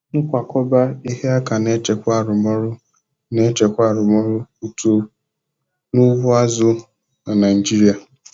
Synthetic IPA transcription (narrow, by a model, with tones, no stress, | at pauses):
ŋ̩˦kʷa˨kɔ˦ba˦i˦ɦe˦a˦ka˨ne˦t͡ʃe˨kʷa˦˨ɾʊ˨mɔ˦ɾʊ˦ | ne˦t͡ʃe˨kʷa˦˨ɾʊ˨mɔ˦ɾʊ˦u˨tu˨ | nu˦wʊ˦a˦zʊ˦ | na˨na˨i˨d͡ʒi˦ɾi˨a˨